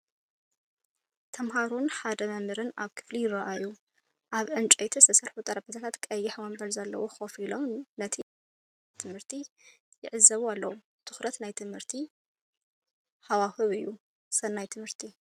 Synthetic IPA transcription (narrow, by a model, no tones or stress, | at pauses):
t̪ʰɐmɦaɾunħad̪ɐmɐmɨɾɨnaβkʰɨ̥flijɪraʔaju | ʔaβʕɨnt͡ʃʼɐjt̪ʰɐsʰɐsɐɾħut̪ʼɐɾɐbɐt̪ʰat̪ʰat̪kʼɐjːɪħmɐmbɐlzɐlːɐwoxofilo̞mnɐt̪ʰi | t̪ʰɨmhɨɾt̪ʰi | jɪʕɨzːɐβualːɐwu | t̪ʰɨ̥xɾɐt̪najt̪ʰɨmhɨɾt̪ʰi | hawaxɨβɨjːu | sɐnːajt̪ʰɨmhɨɾt̪ʰi